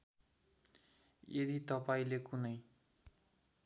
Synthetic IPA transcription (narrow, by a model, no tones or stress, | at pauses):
ed̪it̪ʌpaĩlekunʌj